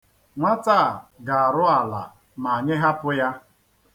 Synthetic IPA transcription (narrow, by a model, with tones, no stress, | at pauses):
ŋʷa˦ta˦˨ɡa˨a˨ɾʊ˦a˨la̰˨ | ma˨a˨ɲɪ˦ɦa˦pʊ˦ja˦